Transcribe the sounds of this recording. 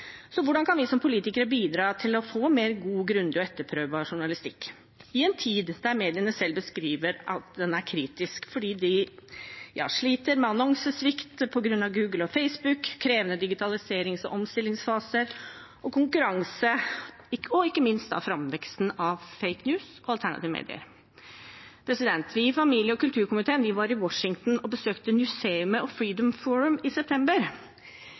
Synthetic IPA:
sɔʋʊɖɑnkʰɑnʋɪsɔmpʰʊliːt̪ɪkəɾəbiːd̪ɾɑːt̪ʰɪlɔfoːmeːɾɡuːɡɾʉnd̪ɪɔɛt̪ːəɾpʰɾøːʋbɑʂʊɳɑlɪst̪ɪkː | ɪɛnt̪ʰiːd̪d̪æɾmeːd̪ɪənəsɛlbəskɾiːʋəɾʔɑt̪d̪ɛnæɾkʰɾiːt̪ɪskfɔɖiːd̪ɪ | jɑ̰ːʂɭiːt̪əɾmɛɑnɔŋsəsʋɪkt̪pʰɔɡɾʉnːɑʋɡʉːɡl̩ɔfeɪsbʉkkʰːɾeːʋənəd̪ɪɡɪt̪ʰɑlɪseːɾɪŋsɔ̰ʔɔmst̪ɪlːɪŋsfɑːsəɾ | ɔkʰʊŋkʉɾɑŋsə | ɪɔɪkːəmɪnst̪ɑ̰ʋfɾɑmʋɛkst̪n̩ɑʋfeɪknjʉːsɔɑlt̪ʰæɳɑ̰t̪ɪːʋəmḛːd̪ɪ̰ə̰ɾ | pʰɾɛsɪd̪ɛnt̪ʰʋɪːfɑmiːljəɔkʉlt̪ʰʉːɾkʊmɪt̪ʰeːənʋɪʋɑɾɪwɔʂɪŋt̪n̩ɔbəsøːkt̪əmjʉseːʉməɔfɹiːd̪ɔmfɔɹʉmɪsɛp̚t̪ʰɛmbəɾ

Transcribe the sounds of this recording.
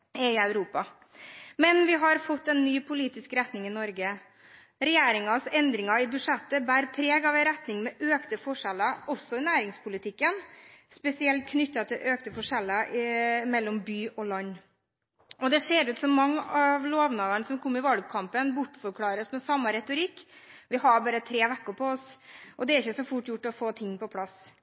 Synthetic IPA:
ɛɪɑʉɾuːpɑ | mɛnʋɪɦɑɾfɔt̪ːɛnːyːpʰʊliːt̪ɪskɾɛt̪nɪŋɪnɔɾɡə | ɾɛjeːɾɪŋɑsɛnd̪ɾɪŋɑɪbʉʂɛt̪ːəbæːɾpʰɾeːɡɑʋɛɾɛt̪nɪŋmɛʔøːkt̪əfɔʂɛlːɑɔsːɔɪnæːɾɪŋspʰʊlɪt̪ʰɪkːənspɛsɪɛlt̪̚kʰnʏt̪ːɑt̪ʰɪlʔøːkt̪əfɔʂɛlːɑmɛlːɔmbyːʔɔlɑɲː | ʔɔd̪ɛʂeːɾʉːt̪sɔmːɑŋːɑʋloːʋnɑːʋəɳsɔmkʰɔmːɪʋɑlɡ̚kʰɑmpənbʊʈːfɔɾkʰlɑːɾəsmɛsɑmːəɾɛt̪ʊɾɪkːʋɪɦɑɾbɑːɾət̪ʰɾeːʋækːʊpʰɔɔsʔɔd̪ɛæɾɪçːəsɔfʊʈːjʊʈːɔfoːt̪ʰɪŋːpɔpʰlɑs

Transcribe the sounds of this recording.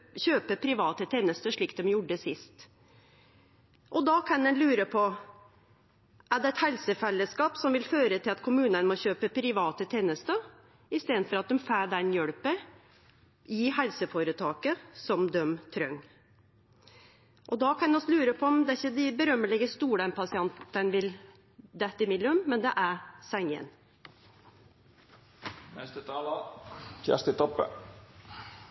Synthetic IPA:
çøːpəpʰɾɪʋɑːt̪ət̪ʰeːnəst̪əʂɭiːk̚d̪ɛmjʊɖəsɪst̪ | ʔɔd̪ɑkʰɑnd̪ɛnlʉːɾəpʰɔ | ʔæɖ̪ɛɛt̪hɛlsəfɛlːəskɑːpsɔmʋɪlføːɾət̪ʰɪlɑt̪kʰʊmʉːnənmɔçøːpəpʰɾɪʋɑːt̪ət̪ʰeːnəst̪ə | ɪst̪eːd̪nfɔɾɑt̪̚d̪ɛmfæːɖɛnjœɽpə | ihɛlsəfoːɾət̪ʰɑːkəsɔmd̪œmt̪ʰɾœŋ | ʔɔd̪ɑkʰɑnɛɔslʉːɾəpʰɔɔmd̪ɛæɪçːəd̪ɪbəɾœmːəlɛɡəst̪uːɽəmpʰɑsɪɑnt̪ənəʋɪl | d̪æt̪ːɪmɪlːʉmːɛnd̪ɛʔæsæŋə̰n | nɛst̪ət̪ʰɑːlɑkæ̰st̪ɪt̪ɔpːə̰

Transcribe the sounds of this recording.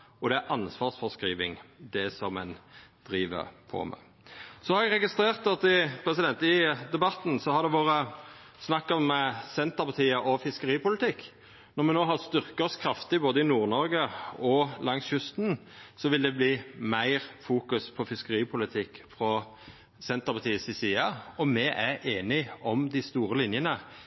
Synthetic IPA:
ɔd̪ɛæʔɑnsʋɑːʁsfɔʁskɾiːʋɪ̰ŋd̪ɛsɔmɛnd̪̥ɾiːʋə̰ɾpʰɔ̰mæ̰ | sɔhɑɾɛɡɾɛɡɪst̪ɾeːʁt̪ɔt̪ɪpʰɾɛsɪd̪ɛnt̪ɪd̪ɛbɑt̪ːn̩sɔhɑd̪ɛʋoːɾə | snɑkːɔmːɛsɛnt̪əʁpʰɑt̪ʰiːəʔɔfɪskəɾiːpʊlɪt̪ʰɪkː | nɔʁmɛnoːɦɑʁst̪ʏʁkəɔskʰɾɑft̪ɪboːd̪əɪnuːʁnɔɾɡəɔlɑŋsjʉst̪n̩sɔʋɪld̪ɛbliːmæɪʁfuːkʉspʰɔfɪskəɾiːpʰʊlɪt̪ʰɪkːfɾɔ | sɛnt̪əʁpʰɑt̪ʰiːəsɪsiːɑɔmɛʔæɾʔeːnɪɔmd̪ɪst̪uːɾəlɪnjənə

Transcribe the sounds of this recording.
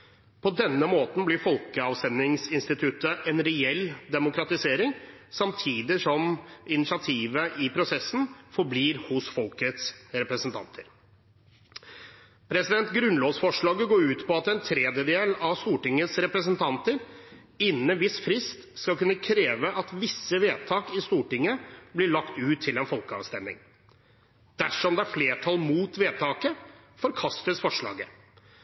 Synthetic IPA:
pʰɔd̪ɛnːəmoːt̪n̩blɪɾfɔlkəɑʋsɛnɪŋsɪnst̪ɪt̪ʰʉt̪əʔɛnɾɛɛld̪ɛmʊkɾɑt̪ɪseːɾɪŋsɑmt̪ʰiːd̪ɪʂɔmɪnɪsɪɑt̪ʰiːʋəʔɪpʰɾʊsɛsːn̩fɔɾbliːɾhʊsfɔlkət̪sɾɛpɾəsənt̪ʰɑ̰nt̪ʰəɾ | pʰɾɛsɪd̪ɛnt̪ɡɾʉnloːsfɔʂɭɑːɡəɡoːɾʉːt̪pʰɔɑt̪ɛnt̪ʰɾɛːd̪jəd̪eːlɑʋst̪uːʈɪŋːəsɾɛpɾəsənt̪ʰɑnt̪əɾ | ɪnːəʋɪsfɾɪst̪skɑlkʉnːəkʰɾeːʋəʔɑt̪ʋɪsːəʋeːt̪ʰɑːkɪst̪uːʈɪŋːəblɪɭɑkt̪ʉːt̪ʰːɪlɛnfɔlkəɑ̰ʋst̪ɛmːɪ̰ŋ | d̪̥æʂɔmd̪ɛæɾfleːʈʰɑlmuːt̪ʋeːt̪ʰɑːkə | fɔɾkʰɑst̪əsfɔʂɭɑ̰ːɡə

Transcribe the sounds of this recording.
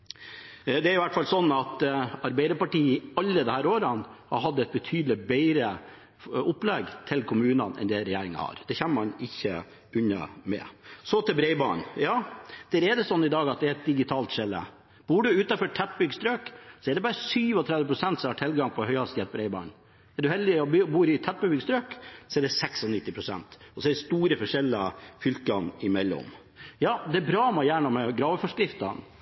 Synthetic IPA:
d̪ɛæɾɪʋæʈːfɑlsɔnːɑt̪ɑɾbæɪd̪əpɑʈiːɪɑlːəd̪ɛhæːɾoːɾɑnhɑ̰ɾɦɑd̪ːəɛt̪̚bət̪ʰyːd̪l̩ɪbɛɪɾə | ʊpːlɛɡt̪ʰɪlkʰʊmʉːnɑnɛ̰nd̪ɛɾɛjæːɾɪŋɑ̰hɑ̰ɾd̪̥ɛçɛnːəmɑnɪçːə̰ | ʉɲɑ̰mɛ̰sɔt̪ʰɛlbɾɛɪbɑ̰ːnjɑːd̪̥æɾɛd̪ɛsɔnːɪd̪ɑːɡɑt̪̚d̪ɛæɾɛt̪̚d̪ɪɡɪt̪ʰɑːlt̪ʃɛlːə̰ | b̥uːɖʉʉːt̪ɑfɔʈʰɛt̪̚ːbʏɡst̪ɾøːksɔɛɖɛbɑːɾəsyːʋɔt̪ʰɾɛd̪ʋəpʰɾʊsɛnt̪sɔmhɑʈʰɪlɡɑŋpʰɔhœʏɑst̪jɛt̪̚bɾɛɪbɑ̰ːɳ | ɛɖʉhɛld̪ɪɔbuːɾɪt̪ʰɛt̪̚bəbʏɡst̪ɾøːksɔɛɖɛsɛksɔnɪt̪ːɪpʰɾʊsɛ̰nt̪ɔsɔɛɖɛst̪uːɾəfɔʂɛlɑ̰fʏlkɑnɪmɛlːɔ̰m | jɑːd̪ɛbɾɑːmɛjæːɳɑmɛɡɾɑːʋfɔʂkɾɪft̪ɑ̰n

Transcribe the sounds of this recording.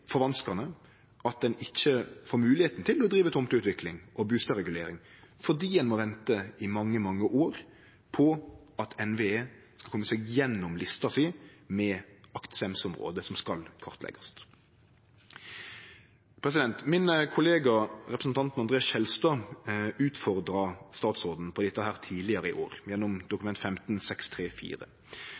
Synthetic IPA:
fɔʋɑnskɑʁnə | ɑt̪̚d̪ɛnɪçːəfoːɾmʉːlɪheːt̪n̩t̪ɪlɔd̪ɾiːʋət̪ʰʊmt̪ʉːt̪ʋɪklɪŋʔɔbʉːst̪əɾɛɡʉlḛːɾɪŋfɔd̪iːdɛnmɔʋɛnt̪əɪmɑŋːəmɑŋːəʔoːɾ | pʰɔ | ɑt̪ʰɛnʋeeː | skɑlkɔmːəseːɡjɛnːɔmlɪst̪ɑsiːmɛɑkt̪sɛmsʊmʁo̰ːd̪əsɔmskɑlkʰɑʁt̪lɛ̰ɡɑst̪ | pʰɾɛs̬ɪd̪ɛnt̪mɪnkʰʊleːɡɑɾɛpɾəsn̩t̪ɑnt̪nɑnd̪ʁeːɑsɛlst̪ɑʉːt̪fɔʁd̪ɾɑst̪ɑːt̪soːd̪n̩pʰɔd̪ɛt̪ːəhæːʁt̪ʰiːlɪəɾəɪ̰ʔo̰ːɾjɛnːɔmd̪ʊkʉmɛnt̪fɛmt̪n̩sɛkst̪ʰʁeːfḭːɾə̰

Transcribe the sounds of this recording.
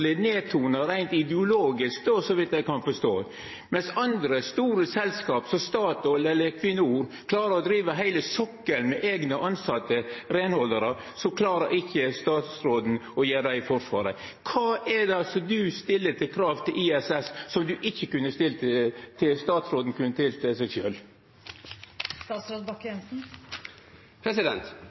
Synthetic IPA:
lɪneːt̪ʰuːnəɾæɪnt̪ɪd̪ɪʊloːɡɪskd̪osɔʋɪt̪jæɪkʰɑnfɔʂt̪o̰ː | mɛnsɑnd̪ɾəst̪uːɾəsɛlskɑːpsɔst̪ɑːt̪ɔlːɛlːəɾkʰʋɪnːəuːɾ | kʰlɑːɾəɾɔd̪ɾiːʋəɦæɪləsɔkːəlmɛʔeːɡnəʔɑnsɑt̪ːəɾenhɔlːəɾə | sɔkʰlɑːɾəɾɪçːəst̪ɑːt̪sɾoːd̪n̩ɔjeːɾd̪æɪfɔɾʂʋɑ̰ːɾə | kʰɑːʔɛd̪ɛɑlsɔd̪ʉst̪ɪlːət̪ʰɪlkʰɾɑːʋt̪ʰɪlʔiːɛsɛsːɔmd̪ʉʔɪçːəkʉnːəst̪ɪlt̪ət̪ʰɪlst̪ɑːt̪sɾoːd̪n̩kʰʉnət̪ʰɪlt̪ʰɛsɛʃø̰ːl | st̪ɑːt̪sɾoːd̪bɑkːjɛnsn̩ | pʰɾɛsɪd̪ɛ̰nt̪

